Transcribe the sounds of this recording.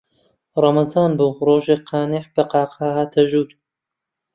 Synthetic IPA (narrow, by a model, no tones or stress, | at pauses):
rˤɑmɐzɑːnbuːroːʒeːqʰɑːneʕb̥ɐqɑːqʰɑːhaːt̪ʰɐʒuːd̪